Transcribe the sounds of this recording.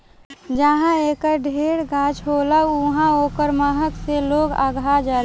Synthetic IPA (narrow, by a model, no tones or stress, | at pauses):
d͡ʒəɦãeːkəɖʱeːɽɡaːt͡ʃɦoːlaʊɦãoːkəɾmaːɦəkseloːɡa̰ːɡʱad͡ʒaː